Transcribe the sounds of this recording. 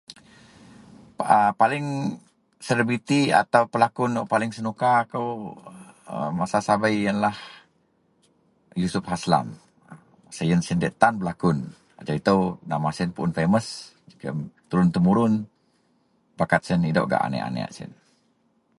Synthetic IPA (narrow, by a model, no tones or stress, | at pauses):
əpalɪŋ | sələbɾit̪ia̰t̪awpəlakʊnoʔpalɪŋsənukaːkəw | ə̰masasabajːənlah | jusʊp̚hasla̰m | sajənsindɛʔt̪anbəlakʊn | a̰d͡ʒait̪əwnamasinpuʔʊnfeməs | d͡ʒikə̰t̪uɾʊnt̪əmuɾʊn | bakat̪̚sənida̰wʔɡa̰ʔa̰nɛ̰ʔa̰nɛ̰a̰ʔsɪ̰n